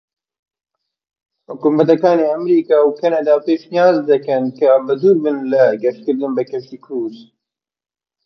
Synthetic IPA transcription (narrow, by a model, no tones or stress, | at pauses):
hʊkumɐt̪̬ɐkɑːneːɐmɾiːkɑːwkʰɐnɐd̪ɑːpeːʃnijaːzd̪ɨkɨnkʰɐbɨd̪uːɾbɨnlɨɡɛʃkɨɾd̪ɨnbɨkʰɛft̪iːkʰuz